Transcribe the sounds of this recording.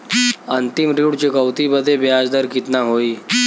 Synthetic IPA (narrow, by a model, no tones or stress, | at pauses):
ənt̪imɾiɽt͡ɕikəwt̪ibəd̪ʱːebjad͡zd̪əɾkit̪naɦoiː